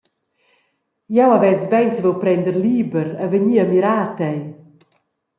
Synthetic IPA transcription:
jɛwavɛzvɛnsvɛwpɾɛnd̪əɾliːbəɾəvəɲiːəmiɾaːtɛj

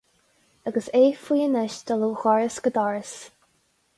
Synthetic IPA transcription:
aɡəseːfiːənəʃd̪̥əluːxɔɹəsɡəd̪ɔɹəs

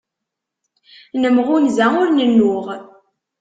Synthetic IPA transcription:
nəmʁʊnzæʊɾnənːʊʁ

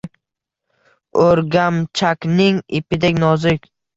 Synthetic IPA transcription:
ɵɾɡʲamt͡ʃʰakʲnɪŋɪpʰɪd̪ekʲnɒzɪkʲ

